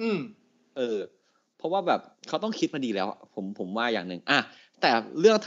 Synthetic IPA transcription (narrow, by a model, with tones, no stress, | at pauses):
ʔɯː˧˩m | ʔɤː˧ | pʰɔ˦˥waː˥˩bɛː˨˩p̚kʰa˦˥wt̪̬ɔ˥˩ŋkʰi˦˥t̪̚ma˧diː˧lɛː˦˥wʔa̰˨˩pʰo˩˦mpʰo˩˦mwaː˥˩jaː˨˩ŋnɯ̰˨˩ŋʔa˧˩ | t̪ɛː˨˩ɾɯ˥˩əŋt̪ʰ